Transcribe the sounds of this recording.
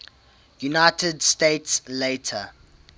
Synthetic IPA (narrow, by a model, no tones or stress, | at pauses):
junaɪtədsteɪtsleɪtʰə